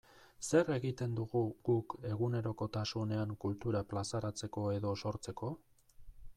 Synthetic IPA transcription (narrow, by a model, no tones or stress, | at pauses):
se̞ɾe̞ɣit̪e̞nd̪uɣuɡuke̞ɣune̞ɾo̞ko̞t̪asune̞aŋkult̪uɾaplasaɾat͡se̞ko̞e̞ðo̞so̞ɾt͡se̞ko̞